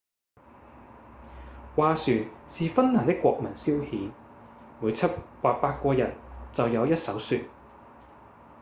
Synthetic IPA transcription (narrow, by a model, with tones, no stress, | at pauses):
waː˨˧syː˨nsiː˨fɐ˥nnaː˨˩nt̪ɪ˥kʷːɔː˧k̚mɐ˨˩nsiː˥whiː˨˥n | muː˨˧˥jt͡sʰɐ˥t̚waː˧t̚paː˧t̚kʷɔː˧jɐ̰˨˩nt͡sɐ˨wjɐ˨˧wjɐ˥t̚sɐ˨˥wsyː˧t̚